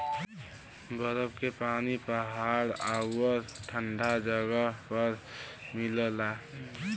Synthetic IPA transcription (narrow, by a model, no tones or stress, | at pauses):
bəɾəbkepaːnipəɦaɽaɡwəɾʈʰəɳɖʱad͡ʒəɡəpəɾmiləla